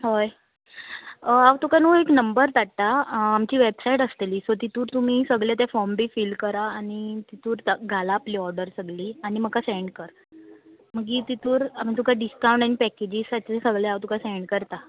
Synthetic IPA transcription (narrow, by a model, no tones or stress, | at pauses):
ɦoj | aʋt̪ukanuːeknəmbəɾt̪aʈt̪aːmt͡ɕiːʋebsaiʈəst̪eliːsɔɾt̪it̪uːɾt̪um̤iːsəɡɭjat̪afɔɾmbʱiːfiːlkəɾaːɽ̃it̪it̪uːɾt̪ɡʱalaːpliːɔɾɖəɾsəɡliːaɽ̃im̤əkaseɳɖkəɾ | m̤əɡit̪it̪uːɾam̤it̪̬ukaɖiskawɳʈaɽ̃ipɛked͡ʑisat͡ɕesəɡɭeawt̪ukaseɳɖkəɾt̪a